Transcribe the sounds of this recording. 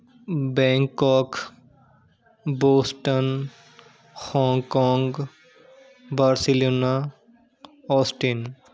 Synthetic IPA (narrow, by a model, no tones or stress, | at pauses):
bɛ̃ːŋkɔːk | boːsʈən | hɔŋkɔːŋɡ | baɾsiloːna | ɔsʈin